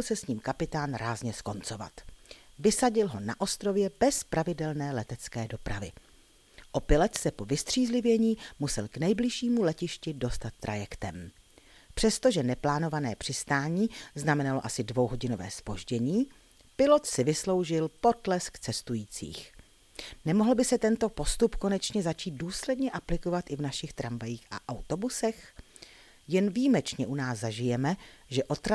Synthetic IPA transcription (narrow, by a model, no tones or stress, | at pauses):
lsɛsɲiːmkapɪt̪aːnɾaːzɲɛsko̞nt͡so̞va̰t̪vɪsaɟɪlɦo̞na̰ʔo̞st̪ɾo̞vjɛbɛspɾavɪdɛlnɛːlɛt̪ɛt͡skɛːdo̞pɾavɪ | ʔo̞pɪlɛt̪sɛpo̞vɪst̪r̝̥iːzlɪvjɛɲiːmusɛlknɛjblɪʃiːmulɛcɪʃcɪdo̞st̪at̪̚ːɾʔa̰jɛkt̪ɛm | pr̝̥ɛst̪o̞ʒɛnɛplaːno̞vanɛːpr̝̥ɪst̪aːɲiːznamɛnalo̞ʔasɪdvo̞wɦo̞ɟɪno̞vɛ̰ːspo̞ʒɟɛɲiː | pɪlo̞t̪sɪvɪslo̞wʒɪlpo̞t̪lɛskt͡sɛst̪ujiːt͡sḭːx | nɛmoɦl̩bɪsɛt̪ɛnt̪o̞po̞st̪upko̞nɛt͡ʃɲɛzat͡ʃiːt̪̚duːslɛdɲɛʔaplɪko̞vat̪ʔɪvnaʃɪxt̪ɾamvajiːxʔa̰ʔawt̪o̞busɛx | jɛnvijimɛt͡ʃɲɛʔunaːszaʒɪjɛmɛʒɛʔo̞t̪ɾa